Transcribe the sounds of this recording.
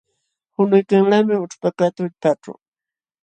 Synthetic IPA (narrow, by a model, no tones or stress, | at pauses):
hʊnʊjkaŋlamɪʊʈ͡ʂpakat̪ʊʎpaʈ͡ʂʊ̰